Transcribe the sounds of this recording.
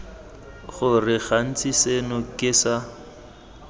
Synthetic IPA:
χʊrɪɣan̩t͡sʰʼisenʊkʼɪːsa

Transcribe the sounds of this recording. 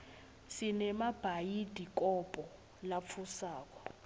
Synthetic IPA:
sinɛmab̥ʱajid̥ʱik̬ʼɔpʼɔ | lap̪fʰusaːk̬ʼɔ̥

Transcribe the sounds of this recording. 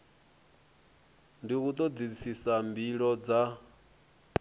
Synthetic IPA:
ndiɣut̪ʼɔd̪isisambiɺɔd͡za

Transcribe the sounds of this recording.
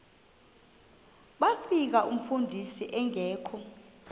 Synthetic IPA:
ɓafik̬aʔum̩fundʱisiʔɛŋɛːkʰɔ

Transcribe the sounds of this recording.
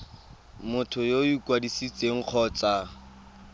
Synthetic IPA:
mʊtʰʊjoikʼwadisit͡sʼeŋ̩q͡χʰɔːt͡sa

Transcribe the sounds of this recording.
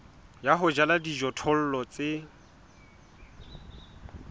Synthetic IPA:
jaɦʊd͡ʒaladid͡ʒɔtʰɔl̩lɔt͡sʼɪ

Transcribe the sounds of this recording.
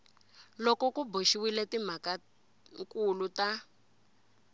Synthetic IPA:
lɔkɔkuboʃiwiletim̤aka | ŋkuluta

